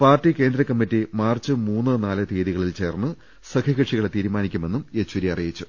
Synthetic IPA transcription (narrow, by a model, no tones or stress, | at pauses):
paːrtːike̞ːnd̪ɾɐkːɐmːitːimaːrt͡ɕːɨmuːnːɨnaːlɨt̪eːðiɣɐɭilt͡ɕe̞ːrnːɨ | sɐkʰɐɣɐʈʂiɣɐɭet̪iːɾumaːnikʲːume̞nːumet͡ɕːwɐɾiɐrijit͡ɕːu